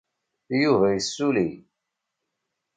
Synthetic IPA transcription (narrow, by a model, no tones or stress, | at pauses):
juvæjəsːuli